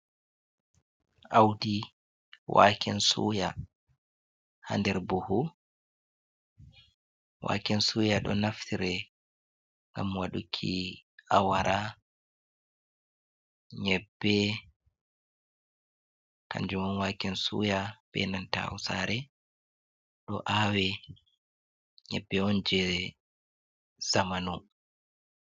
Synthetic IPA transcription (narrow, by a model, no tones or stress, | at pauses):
awdi | wa̰kʰɛnsṵːja | ha̰ndɛɾbuhu | wa̰kɛnsuːjaɗɔnaftiɾɛ | ŋɡamwaɗukʰːiʔawaɾʔa | ɲɛbːɛ | ka̰ɲd͡ʒumɔnwakɛnsṵjaɓɛ̰nanta̰a̰wsa̰ɾɛ | ɗɔ̰ʔawɛ | ɲɛ̰bːɛɔnd͡ʒɛ | zamanu